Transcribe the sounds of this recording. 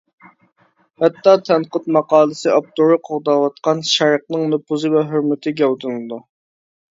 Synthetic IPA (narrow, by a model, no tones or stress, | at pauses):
hɛt̪ːɑt̪ʰɛnqət̪mɑqɑːlˠɨsɨʔɑp̚t̪oɾɨqʰoʁd̪ɑwɑt̪̚qʰɑnʃɛɾəq̚nɨŋnopuzɨvɛɦøɾmɪt̪ʰɪɡʲɛwt̪ʰɨnlˠɨd̪u